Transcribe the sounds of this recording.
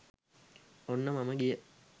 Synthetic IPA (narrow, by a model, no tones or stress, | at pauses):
onːəmaməɡijə